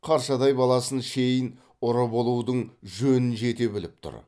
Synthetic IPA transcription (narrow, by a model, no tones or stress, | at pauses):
qʰɑɾʃɑd̪ɑjbɑlˠɑsənʃe̞jən | ʊɾəbo̞lˠuwd̪əɴʒɵnɪnʒe̞t̪e̞bɪlɪp̚t̪ʰʊ̰ɾ